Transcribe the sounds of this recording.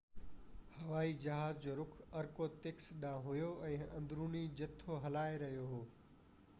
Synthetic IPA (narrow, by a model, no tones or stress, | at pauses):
hɐʋaːid͡ʑɐɦaːzd͡ʑoːɾʊkʰɐɾkot̪eksɗãːɦʊjoɛ̃ːɐ̃nd̪ɾuːnid͡ʑɐt̪ʰːoɦɐlaːeɾɐɦijoɦoː